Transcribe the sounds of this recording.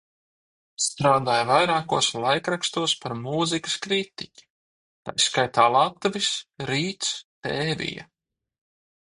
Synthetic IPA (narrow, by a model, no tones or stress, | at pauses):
st̪ɾaːd̪aːjvajɾaːkuɔslˠajkɾakst̪uɔspaɾmuːzikə̥skɾit̪ikʲi̥ | t̪a̰jskajt̪aːlˠat̪uvʲisɾiːt̪st̪ɛːvʲḭja̰